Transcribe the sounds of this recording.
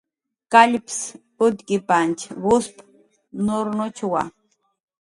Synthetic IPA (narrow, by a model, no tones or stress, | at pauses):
kʼaʎpʰs | ʊt̪kʼipʼant͡ʃʰβʊspʰ | nʊɾnʊt͡ʃʰwa̰